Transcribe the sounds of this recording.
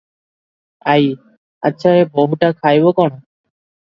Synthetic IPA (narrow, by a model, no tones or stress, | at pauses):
aj | a̰tːɕʰaeboɦuʈakʰajbokɔɽ̃o